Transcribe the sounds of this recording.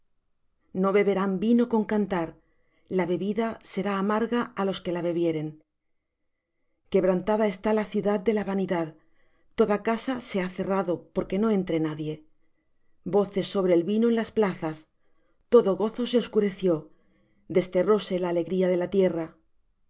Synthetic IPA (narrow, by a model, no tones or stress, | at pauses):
no̞βe̞βe̞ɾambino̞ko̞ŋkant̪aɾ | laβe̞βiðase̞ɾaːmaɾɣaalo̞ske̞laβe̞βje̞ɾe̞ŋ | ke̞βɾant̪aðae̞st̪alaθjuðaðd̪e̞laβaniðað | t̪o̞ðakasase̞aθe̞raðo̞po̞ɾke̞no̞e̞nt̪ɾe̞naðje̞ | bo̞θe̞sːo̞β̞ɾe̞ːlβinoe̞nlasplaθas | t̪o̞ðo̞ɣo̞θo̞se̞o̞skuɾe̞θjo̞ | d̪e̞st̪e̞ro̞se̞laːle̞ɣɾiað̞e̞lat̪je̞ra